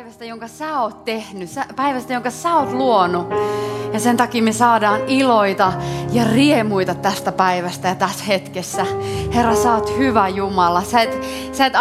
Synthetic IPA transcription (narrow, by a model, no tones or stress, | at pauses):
ʋæst̪æjoŋkɑsæːoːt̪t̪ehnysæpæiʋæst̪æjoŋkɑsæːoːt̪luonujɑsent̪ɑkiːmesɑːdɑːniloit̪ɑjɑriemuit̪ɑt̪ːæst̪æpæiʋæst̪æjɑt̪æshet̪kesːæherːɑsɑot̪hyʋæjumɑlɑsæet̪ | sæet̪